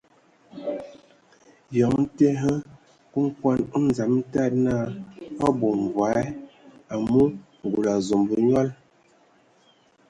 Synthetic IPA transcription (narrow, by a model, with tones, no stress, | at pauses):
jɔ˨˦ŋn̩˦te˦ɦə˦ | ku˦ŋ˦kwa˦n˦n˨za˨˦m̩˦ta˦˨t̚na˦ɔ˦bo˨m˨va˨˦ɛ˦a˨mu˦ | ŋ˨ɡu˨la˨zo˨mbu˨ɲɔ˦l